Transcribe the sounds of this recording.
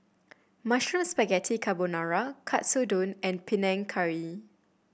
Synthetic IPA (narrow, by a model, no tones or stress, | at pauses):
maʃɹə̃spɛɡɛtʰikʰabonaɹakʰatsodõnɛ̃npʰinɛ̃ŋkʰaɹi